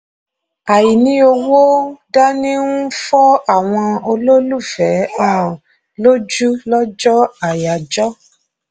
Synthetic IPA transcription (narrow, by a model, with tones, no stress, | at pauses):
a˨ji˨nĩ˧˦o˧wo˦da˦nĩ˦ũ˦fɔ˦a˦˨w̃ɔ̃˧o˧lo˦lu˦˨fɛ˨˦ã˦˨ | lo˦d͡ʒu˦lɔ˦d͡ʒɔ˦a˨ja˨d͡ʒɔ˦